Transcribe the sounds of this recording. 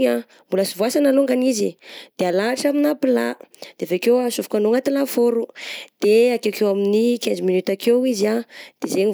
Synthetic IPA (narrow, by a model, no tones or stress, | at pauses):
a | mbulasivuasanaloŋɡanizid̪̥ealaːʈ͡ʂaminapilad̪̥evekewasufu̥kanoŋat̪ilafoɾud̪̥eakewkewaminikend͡ʒiminyt̪akewizad̪̥ezeɲi